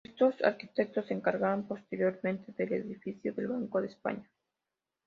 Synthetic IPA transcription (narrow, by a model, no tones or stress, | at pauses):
est̪osa̰ɾkit̪ek̚t̪oseŋkaɾɣaβompo̞st̪eɾjo̞ɾmẽ̞nt̪eðeleðifiθjoðe̞lβaŋkoðespa̰ɲa